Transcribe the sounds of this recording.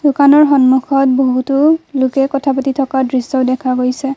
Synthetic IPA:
dukanɔɹxɔnmukʰɔt̚boɦutʊlʊkɛkɔtʰapatitʰɔkadɹisɔʊdɛkʰaɡojsɛ

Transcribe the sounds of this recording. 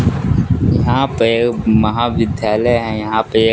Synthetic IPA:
jɐɦãpeemɐɦaːʋɪd̪ʱjaːləɦɛ̃jɐɦãpee

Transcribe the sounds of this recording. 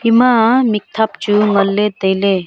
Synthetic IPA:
imãmik̚t̪ʰap̚t͡ʃuŋɐlːed̪ɐjle

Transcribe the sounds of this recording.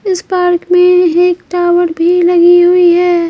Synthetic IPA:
ɪspaːɾkmẽeːkʈaːwəɾbʱilɐɡiɦʊiɦɛː

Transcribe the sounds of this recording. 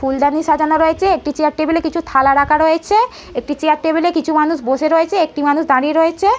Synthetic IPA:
fuld̪aniʃad͡ʑanaɾojet͡ɕʰeek̚ʈit͡ɕejaɾ̚ʈebelekit͡ɕʰut̪ʰalaɾakʰaɾojet͡ɕʰe | ek̚ʈit͡ɕejaʈʈebelekit͡ɕʰumanuʃboʃeɾoet͡ɕʰeek̚ʈimanuʃd̪aɾieɾojet͡ɕʰe

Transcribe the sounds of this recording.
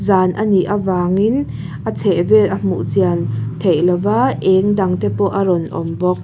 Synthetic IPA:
zaːnʔaniʔavaːŋin | ʔat͡sʰɛʔvɛlʔam̥ṵʔt͡siant̪ʰejlavaʔɛŋdaŋt̪ʰɛpɔʔaɾɔnʔɔ̰mbɔk̚

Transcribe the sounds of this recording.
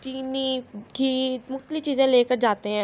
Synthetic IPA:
t͡ʃiːniːkʰiːmʊxt̪əlɪft͡ʃiːzẽːleːkəɾd͡ʒaːt̪eɦɛ̃ː

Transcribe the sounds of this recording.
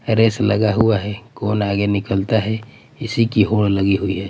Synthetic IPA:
ɾeːslɐɡaɦuaɦɛkoːnaːɡenɪkəlt̪aɦɛ | ɪsikiɦoːɽlɐɡiɦʊiɦɛː

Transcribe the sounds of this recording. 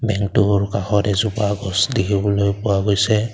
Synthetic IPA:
bɛŋtuɹkaxɔdɛzupaɡɔsdikʰibɔlojpʊwaɡojsɛ

